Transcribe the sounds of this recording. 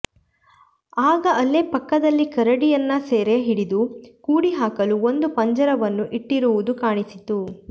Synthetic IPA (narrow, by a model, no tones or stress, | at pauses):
aːɡɐʔɐlːepɐkːɐd̪ɐlːikɐɾɐɽijɐnːɐseːɾeɦiɽid̪ukuːɽiɦaːkɐluo̞nd̪upɐɲd͡ʒɐɾɐʋɐnːuʔiʈːiɾuʋud̪ukaːɳisit̪u